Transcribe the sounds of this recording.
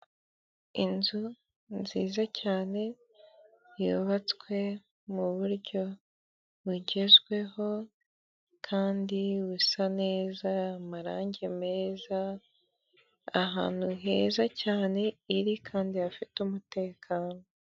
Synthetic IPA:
inzu | nziːzacaːne̞ | joβat͡skwe̞ | muβuɾɟo̞ | βuɟe̞zɡwe̞ɦo̞ | kʰaːndiwusane̞ːzamaɾaːɲɟeme̞ːza | ɦa̰ːn̥huɦe̞ːzacaːne̞iɾikʰaːndijafitumute̞ːkʰaːno

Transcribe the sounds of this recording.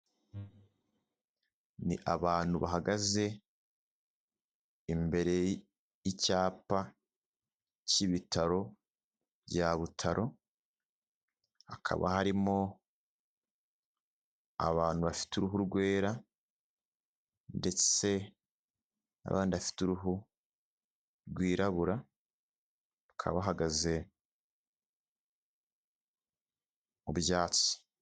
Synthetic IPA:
nḭʔaβaːn̥huβaɦaɡaze̞ | imbe̞ɾe̞ | icaːpa | ciβitaɾo̞ | βjaβutʰaɾʔo | hakʰa̰βa̰haɾimo̞ | a̰βaːn̥huβafi̥tuɾuɦuɾɡwe̞ːɾa | nde̞t͡se̞ | a̰βa̰ːndiβafi̥tuɾuɦu | ɾɡwiːɾaβuɾa | ukʰa̰βaɦaɡaze̞ | mubjaːt͡si̥

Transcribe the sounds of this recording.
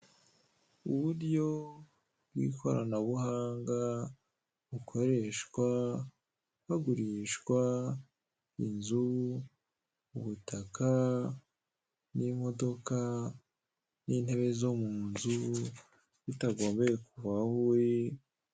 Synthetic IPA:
uβuɾjo̞ | bɡwḭkʰo̞ɾa̰naβuhaːŋɡa | βukʰo̞ɾe̞ʃkwa | haɡuɾiʃkwa | inzu | uβutaka | nimo̞do̞ka | ninhe̞βe̞zo̞muːnzu | βitaɡo̞ːmbe̞jekuvahuɾi

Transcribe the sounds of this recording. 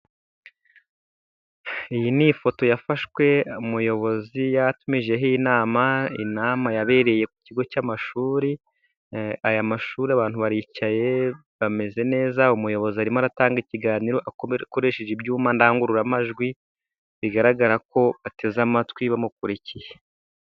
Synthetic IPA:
ijinifo̞to̞jafaʃwe̞umujo̞βo̞zijatumiʒe̞ɦinaːmaḭnaːmajaβe̞ɾe̞je̞ku̥ciɡo̞camaʃuːɾi | ajamaʃuːɾiaβaːn̥huβaɾicaje̞ | βame̞ze̞ne̞ːzaumujo̞βo̞ziaɾimoaɾataːŋɡiciɡaːniɾo̞ʔakko̞ɾe̞ʃeʒibjuːmandaaːŋɡuɾuɾamaʒɡwi | βiɡaɾaɡaɾak̚o̞ate̞zamatwiβamuk̚uɾicije̥

